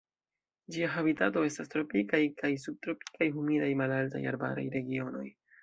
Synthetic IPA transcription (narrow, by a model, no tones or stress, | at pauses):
d͡ʒiaɦabitato̞e̞stastɾo̞pikajkajs̬ub̚tɾo̞pi̥kajɦumidajmalalta̰ja̰ɾba̰ɾa̰jɾe̞ɡio̞no̞̰j